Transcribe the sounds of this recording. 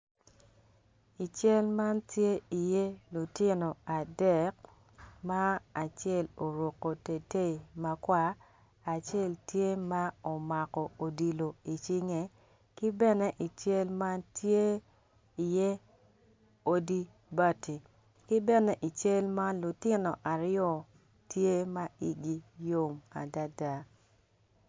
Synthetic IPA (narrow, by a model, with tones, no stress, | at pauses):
i˨t͡ʃɛ˦lma˦ntje˦i˨je˦lu˨tɪ˦no˨a˨dɛ˦˨k̚ | ma˦a˨t͡ʃɛ˦˨lo˨ɾwo˨kːo˨te˨te˦i˨ma˨kwaː˦˨ | t͡ʃe˦˨ltje˦ma˦o˨ma˨kɔ˨o˨di˨lo˨i˨t͡ʃi˦ŋe˨ | kɪ˦bɛ˦nɛ˦ʔi˨t͡ʃe˦lma˦tje˦ | i˨je˦ | o˦di˦ | ba˦tʰi˨ | kɪ˦bɛ˦nɛ˨ʔi˨t͡ʃe˦lma˦lʊ˨tɪ˦nɔ˨ʔa˨ɾɪjɔ˦ | tje˦ma˦i˦ɡi˦jo˨ma̰˨da˦da˦